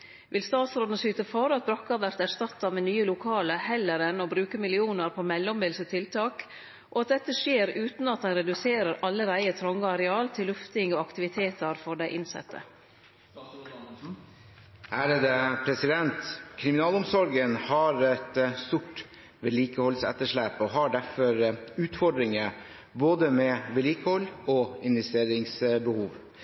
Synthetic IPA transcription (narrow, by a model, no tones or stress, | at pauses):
ʋʔɪ̰lst̪ɑːt̪sɾoːd̪ənəsyːt̪əfɔɾɑt̪̚bɾɑkːɑʋæɾt̪æʂt̪ɑt̪ːɑmeːnyːəlʊkʰɑːləhɛlːəɾɛnɔbɾʉːkəmɪlɪuːnəɾpʰɔmɛlːɔmbɪlsət̪ʰɪlt̪ʰɑːk | ʔoːɑt̪̚d̪ɛt̪ːəʂeːɾʉːt̪nɑt̪d̪ɛnɾɛd̪ʉseːɾəɾʔɑlːəɾæɪət̪ʰɾɔŋɡəɑɾɛɑːlt̪ʰɪlːʉft̪ɪŋoːɑkt̪ɪʋɪt̪ʰeːt̪əɾfɔɖæɪʔɪnsɛ̰t̪ʰːə̰ | æːɾəd̪ɛpʰɾɛsɪd̪ɛnt̪kʰɾɪmɪnɑːlʊmsɔɾɡənhɑɾɛt̪st̪uʈ | ʋɛliːkəhɔlsɛ̰t̪ːəʂɭæːpɔɦɑɖæɾfɔɾʉːt̪fɔɖɾɪŋə | boːd̪əmɛʋɛliːkəhɔlːɔɪnʋɛst̪eːɾɪŋsbəhuːʋ